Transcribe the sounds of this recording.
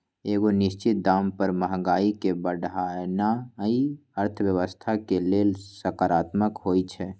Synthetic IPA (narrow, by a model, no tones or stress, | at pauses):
eːɡonɪst͡ʃɪt̪̚d̪aːmpəɾməɦɡaːikebəɽanaiəɾt̪ʰəʋjəʋəst̪ʰakeleːlsəkaɾaːt̪məkɦoːjt͡ʃʰɛ